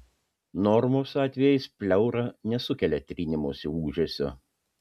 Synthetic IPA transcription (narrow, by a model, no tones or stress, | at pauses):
nɔɾmoːsɑːt̪ʲʋʲɛjɛɪspʲlʲɛʊɾɐnʲɛsʊkʲɛlʲɛt̪ʲɾʲinʲɪmoːsʲɪuːʒʲoːsʲɛ̰